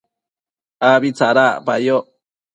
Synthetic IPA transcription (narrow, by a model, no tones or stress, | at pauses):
aβit͡saɾapajo